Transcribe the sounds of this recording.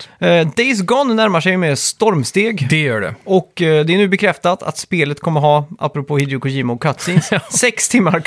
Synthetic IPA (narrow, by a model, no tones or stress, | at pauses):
d̪ɛs̬ɡɔnnæɾmaʂɛjmɛst̪ɔɾmst̪eːɡd̪̥ɛjœːɖɛ̰ɔkd̪ɛænʉːbɛkʰɾɛft̪at̪ʰa̰t̪speːlət̪kʰɔmːəɾɦɑːa̰pɾʊpʰoːhɪd̪ɾʊkʊɕiːmʊkʰat̪sinsɛkst̪ʰɪmːaɾ